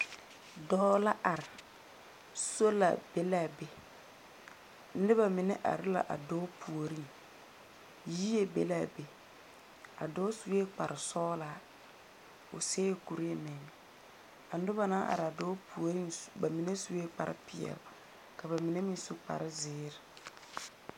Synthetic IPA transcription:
dɔː˦la˦ʔa˨ɾɪ˨ | so˦la̰˨be˦laː˦˨be˨ | n̩˦dɪ˦ba˨mɪ˨nɛ˦ʔa̰˨ɾɪ˦la̰˨ʔa̰˨dɔː˦pʰu˨o˨ɾi˦n | ji˦e˦bḛ˨laː˦˨be˨ | a̰˨dɔː˦su˨e˦k͡pa˨ɾɪ˨sɔː˦la˨˦ | ʊ̰˨seː˦jku˨ɾi˦e˨mɛ˨ŋ˨ | a˨n˦dʊ˦ba˨na˦ʔa̰˨ɾɪ˨a˨doː˦pʰu˨o˨ɾi˦nba˨mi˨ne˦su˨˦e˦k͡pa̰˨ɾɪ̰˦pɪ˨ɛ̰˨l | ka˨ba˨mɪ˨ne˦mĩ˨n˦su˦k͡pa̰˨ɾɪ˦zɪː˨˦ɾɪ˨

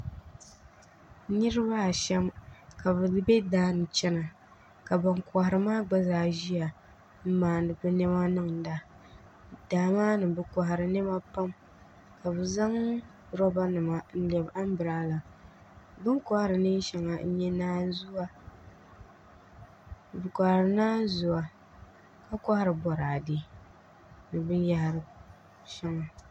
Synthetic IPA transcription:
nɨ˦ɾɨ˦ba˦˨ʃɛ˦mka˨bɨ˨˦bɛ˦daː˦nɨ˨t͡ʃɛ˦na˨ | ka˨ba˨ŋka˨ha˨ɾɨ˨maː˦ɡ͡ba˦zaː˨ʒi˦a˨ | m̩˦maː˨n˨dɨ˨bɨ˦nɛ˦ma˦nɨ˦ŋn̩˨da˦ | daː˨˦maː˦nɨ˨bɨ˦kɔ˨ɦa˨ɾɨ˨nɛ˦ma˦pa˦m | ka˨bɨ˨za˦ŋ | ɾɔ˦ba˦nɨ˨ma˦n̩˦lɛ˨ba˦m˦bɨ˨ɾaː˦la˨ | bɨ˦ŋka˦ha˦ɾɨ˨nɨ˦ʃɛ˨ŋa˨n̩˦ɲɛ˦naː˦zu˦a˦˨ | bɨ˨kʷa˨hɾɨ˨naː˦zu˨a˨ | ka˦ka˦ha˦ɾɨ˨bɔ˨ɾaː˨di˦ | nɨ˨bɨ˦nja˦ha˨ɾɨ˨ | ʃɛ˦ŋa˨

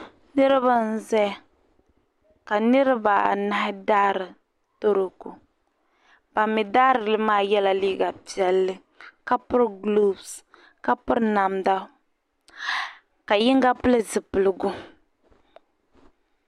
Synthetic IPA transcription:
nɨ˦ɾɨ˦βa˦n̩˦zɛ˦˨ | ka˨nɨ˦ɾɪ˦ba˨a̰˨na˦hɪ˦daː˦ɾɨ˨ | to˦ɾo˨ku˨ | pa˨mːi˨daː˦ɾɨ˨lɨ˦maː˦jɛ˦la˨liː˦ɡa˨pi˨ɛ˨lːɨ˦ | ka˦pʊ˦ɾɡlo˦bs | ka˦pʊ˦ɾna˨mda˦ | ka˨jɪ˦ŋ˦ɡa˦pɨ˦lɨ˦zɨ˨pɨ˨lɨ˨ɡʊ˦

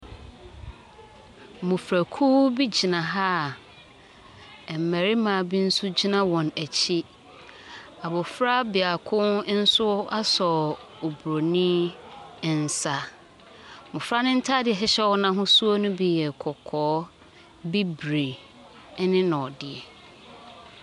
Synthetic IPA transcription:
mʊ̃˨fɾæ˨kʰuː˦bi˦d͡ʑi˨nã˨ɦa˦˨ | m̩˨mæ˨ɾi˦mã˨bi˦n̩˦su˦d͡ʑi˦nã˦wɔ̃˨næ˨t͡ɕʰi˦ | a˨bɔ˨fɾa˦bɪ˨a˨kʰʊ̃˦n̩˦sʊ˦a˦sɔ˨o˨bɾo˨nĩ˦˨ | n̩˨sa˨ | mʊ̃˨fɾa˦nʊ̃˦n̩˦tʰa˦dɪ˨ɛ˨ɦɛ˦ɕɛ˦wɔ˦nã˦ɦʊ̃˦su˦o˦nʊ̃˦bi˨jɛ˨kʰɔ˨kʰɔː˨˦ | bi˦bɾe˨˦ | nɪ̃˦nɔ̃˨ɔ˨dɪ˨ɛ˨

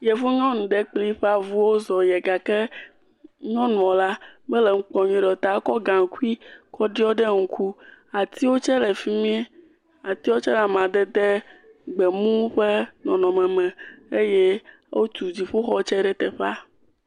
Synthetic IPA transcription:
jɛ˨vu˦ɲɔ̃˦nũ˨ɖe˦k͡pli˦ɸɛ˦a˨vu˦wo˦zɔ˨jɛ˨ɡa˨kɛ˦ | ɲɔ̃˦nũ˨ɔ˨la˦bɛ˦lɛ˨ŋ̩˦k͡pɔ˨ɲĩ˨ɖɛ˨t̪a˨˦kɔ˦ɡã˨ŋ̩˨ku˦i˦kɔ˦ɖi˦ɔ˦ɖe˦ŋ̩˨kʰu˦a˨t̪i˦wo˦t͡ʃɛ˦lɛ˨fi˦mĩ˦ɛ˦ | a˨t̪i˦wo˦t͡ʃɛ˦la˨mã˨d̪ɛ˦d̪e˦ | ɡ͡bɛ˨mũ˦ɸe˦nɔ̃˨nɔ̃˨mɛ̃˨mɛ̃˨e˦je˦ | wʔo˦t̪u˨d͡ʑi˨ɸo˦xɔ˦t͡ʃɛ˦ɖɛ˦t̪ɛ˨ɸa˦

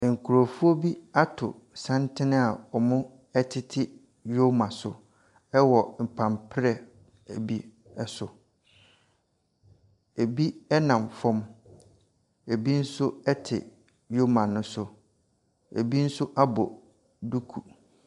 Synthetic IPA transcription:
ŋ̩˨kʰu˨ɾo˨fu˦o˦bi˦a˦tʰʊ̰˨ | sã˦ntʰɪ˦nɪ̃˦a˨ɔ˨mʊ̃˦ | ɛ˦tʰɪ˦tʰɪ˦ | jo˦mã˨sʊ˨ | ɛ˦wɔ˨m̩˨pʰã˨mpʰɾɛ˨ | æ˨bi˦ | ɛ˦sʊ˨ | e˨bi˦ɛ˦nã˨mfɔ̃˦m | e˨bi˦n̩˦sʊ˦ɛ˦tʰɪ̰˨ | jo˦mã˨nːʊ̃˦sʊ˦ | e˨bi˦n̩˦sʊ˦ʔa˦bɔ˨ | du˦kʰu˨

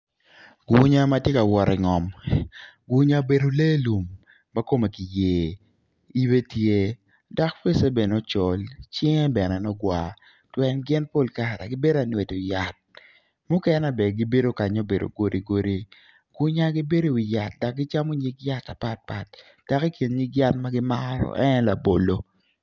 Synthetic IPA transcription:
ɡ̥u˦ɲa˦ma˦tje˦ka˨wɔ˨ɾɪ˨ŋɔ˨m | ɡwu˦ɲa˦be˨do˨le˦lu˨mː | a˦ko˦me˨ki˨jeː˨ | i˦be˦tje˦ | da˨kfe˦se˦be˨nɔ˦t͡ʃɔ˨lt͡ʃɪ˦ŋe˦bɛ˨nɛ˨nɔ˦ɡwa˦ | twɛ˨nɡɪ˦npo˦lka˦˨ɾa̰˨ɡɪ˦be˦da˨nwe˨tʊ˨ja˨t̚ | mʊ˦kɛ˦na˦bɛ˨ɡi˦be˦do˦ka˨ɲo˦be˨do̰˨ɡo˦ɾi˦ɡo˦ɾi˦ | ɡ̥u˦ɲa˦ɡi˦be˦ɾo˨wi˨ja˨t̚da˨k̚ɡɪ˦t͡ʃa˦mo˦ɲi˦ɡja˦ta˨pa˦t̚pa˨t̚ | d̥a˨ki˦ki˨nɲi˦kja˦t̚ma˦ɡɪ˦ma˦ɾɔ̰˨ʔɛ˦n˦la˨bo̰˨lo˦

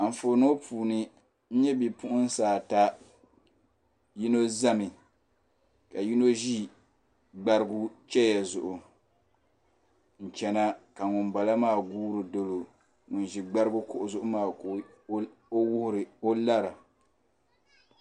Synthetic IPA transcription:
a˨m̩˨fo˨no˦pʰuː˨nɨ˦ | n̩˦ɲɛ˦bi˨pʊ˦ʔʊ˦n˦saː˨ta˦ | ji˦no˦za˦mɪ˨ | ka˨ji˦no˦ʒi˦ | ɡ͡ba˦ɾɪ˦ɡu˦t͡ʃɛ˦ja˨zʊ˨ʔʊ˨ | n̩˨t͡ʃɛ˨na˦ka˨ŋʊ˨mba˨la˦maː˦˨ɡuː˦ɾɨ˨do˨lo˨ | ŋʊ˨nʒi˨ɡ͡ba˦ɾɨ˦ɡu˦kʊ˦ʔʊ˨zʊ˦ʔʊ˦maː˦˨˦ | o˦wʊ˦hʊ˦ɾɪ˨o˦la˦ɾa˨

